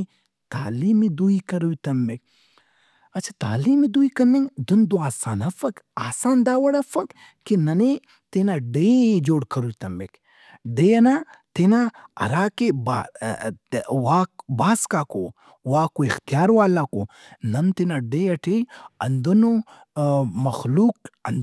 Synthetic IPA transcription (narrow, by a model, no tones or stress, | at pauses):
t̪aːliːmid̪uikɐɾujt̪ɐmːek̚ | ɐt͡ʃʰat̪a̰ːliːmid̪uikɐmiŋd̪und̪uaːsaːnɐfɐkaːsaːnd̪aːwɐɽɐfɐk | kinɐni | t̪enaɖeːd͡ʒoːɽkɐɾujʲt̪ɐmːek | ɖejɐna | t̪enaɐ̰ɾaːkeba | waːk̚baːskaːko | waːkoixt̪ijaːɾwaːlako | nɐnt̪inaɖeɐʈʰeɐnd̪uno | mɐxluːk̚ɐn